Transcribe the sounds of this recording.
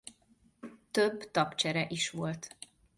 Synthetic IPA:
t̪øbt̪ɒpt͡ʃɛɾɛʔiʃʋo̞lt̪

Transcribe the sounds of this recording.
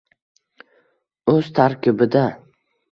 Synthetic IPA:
ɵz̥t̪ʰaɾkʲʰɪbɪd̪a

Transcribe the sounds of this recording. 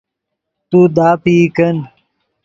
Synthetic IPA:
t̪uːd̪aːpiːkɐn

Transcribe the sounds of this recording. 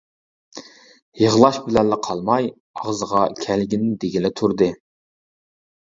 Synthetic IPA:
jəʁlˠɑʃbɪlɛnːɪqʰɑlˠmɑj | ɑʁzəʁɑkʲʰælɡʲinɪd̪eɡʲilɪt̪ʰuɾd̪ɨ

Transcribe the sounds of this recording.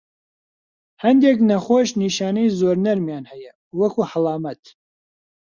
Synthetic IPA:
hɐnd̪eknɐχoːʃniːʃaːnɛjzoːɾnɐɾmjaːnhɛjɐ | wɐkʰuhəlˠɑːmɐt̪

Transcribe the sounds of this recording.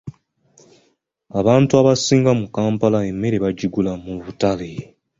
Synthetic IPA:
aβaːntuaβasiːŋɡamukaːmpalae̞mːe̞ɾe̞βaɟiɡulamuβutale

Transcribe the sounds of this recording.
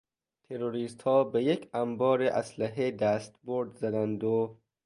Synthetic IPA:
t̪ʰeɾoɾiːst̪hɒːbejecʰæmbɒːɾeʔæslæɦed̪æːst̪boɾd̪zæd̪ænd̪o

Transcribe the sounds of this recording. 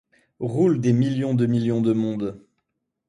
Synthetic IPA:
ʁuld̪emiljɔ̃d̪əmiljɔ̃d̪əmɔ̃d̪

